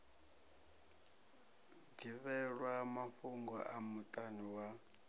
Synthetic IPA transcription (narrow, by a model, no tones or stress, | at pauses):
diβɛɺwamaɸuŋɡɔ̰ʔamutʼaniwa